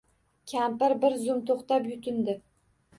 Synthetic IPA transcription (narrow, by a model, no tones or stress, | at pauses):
kʲʰampɪɾbɪɾzʊmt̪ʰoχt̪apjʊt̪ʰɪnd̪ɪ